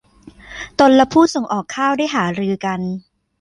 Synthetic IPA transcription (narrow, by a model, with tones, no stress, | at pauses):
t̪o˧nla˦˥pʰuː˥˩so˧˩˦ŋʔɔː˨˩kʰːaː˥˩wda˥˩jɦaː˩˦ɾɯː˧ka˧n